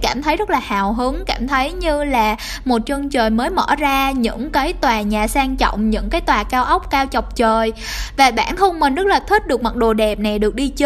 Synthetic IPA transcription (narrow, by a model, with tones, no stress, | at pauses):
kaː˧˩mt̪ʰə˨˦jzə˦˥t̚laː˨˩haː˨˩wɦɨ˨˦əŋkaː˧˩mt̪ʰə˨˦jɲɨ˧laː˨˩ | mo˨˩t̚t͡ɕəː˧ŋt͡ɕəː˨˩jməː˨˦jmə̰˧˥˩zaː˧ɲɨ̰˧˥ŋkaː˨˦jt̪waː˨˩ɲaː˨˩saː˧ŋt͡ɕɔ̰˧˨wŋ͡mɲɨ̰˧˥ŋkaː˨˦jt̪waː˨˩kaː˧wʔə˦˥wk͡p̚kaː˧wt͡ɕɔ˨˩wk͡p̚t͡ɕəː˨˩j | vaː˨˩ɓa̰ː˧˩nxə˧wŋ͡mmï˨˩ŋzə˦˥laː˨˩t̪ʰwi˦˥t̚ɗɨ˨˩ək̚ma˨˩t̚ɗo˨˩ɗɛ˨˩p̚na˨˩jɗɨ˨˩ək̚ɗi˧t͡ɕː